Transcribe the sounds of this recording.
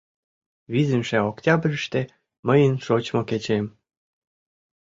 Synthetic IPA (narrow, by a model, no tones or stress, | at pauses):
βizəmʃeoktʲɑbrʲəʃt̪ĕ | məjənʃot͡ɕmoket͡ɕem